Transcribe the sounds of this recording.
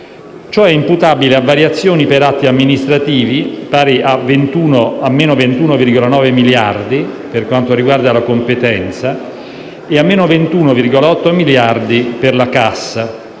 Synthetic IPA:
t͡ʃoɛimput̪aːbileavːaɾjat̪sːjoːnipeɾat̪ːiamːinist̪ɾat̪iːvipaːɾeʔavːent̪uːnoamːeːnovent̪uːnovirɡolanɔːvemiljard̪iperkwant̪oɾiɡward̪alakompet̪ɛnt̪sa | eamːeːnovent̪uːnovirɡolaɔt̪ːomiljard̪iperlakasːa

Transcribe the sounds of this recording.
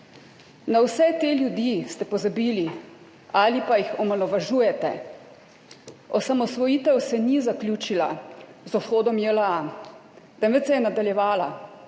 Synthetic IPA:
nawsɛt̪eːljud̪ist̪ɛpɔzabiːli | alipajixɔmalɔʋaʒuːjɛt̪ɛ̰ | ɔsamɔsʋɔjiːt̪ɛwsɛnizaklʲjuːt͡ʃila̰zɔsxoːd̪ɔmjɛlaa | t̪ɛmʋɛt̪sɛjɛnad̪aljɛʋaːla

